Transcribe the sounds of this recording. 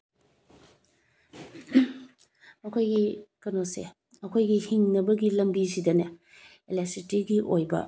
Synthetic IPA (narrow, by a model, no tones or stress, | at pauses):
mɐkʰojɡikɐnose | ɐkʰojɡihiŋnɐbɐɡilɐmbisidɐnɐ | elesitiɡiʔojbɐ̰